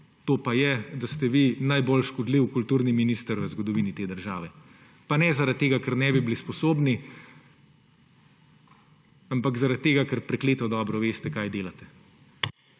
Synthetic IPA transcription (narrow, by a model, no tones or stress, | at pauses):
t̪oːpajɛd̪ast̪ɛʋinajbolʃkɔd̪liwkult̪uːɾniminiːst̪əɾʋəzɡɔd̪ɔʋiːnit̪eːd̪əɾʒa̰ːʋɛ | panɛzaɾat̪̚t̪ːeːɡakɛɾnɛbibilispɔsoːbni | ampakzaɾat̪̚t̪ːeːɡakəɾpɾɛkleːt̪ɔd̪ɔːbɾɔʋeːst̪ɛkaːjd̪eːlat̪ɛ̥